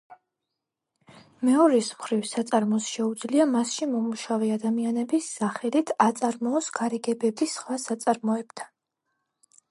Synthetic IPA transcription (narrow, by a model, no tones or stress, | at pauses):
mɛɔɾismχɾivsat̪sʼaɾmɔsʃɛud̪zliamasʃimɔmuʃavɛad̪amianɛbisːaχɛlit̪ʰat̪sʼaɾmɔːsɡ̥aɾɛɡɛbɛbisχwasat̪sʼaɾmɔɛbd̪̥a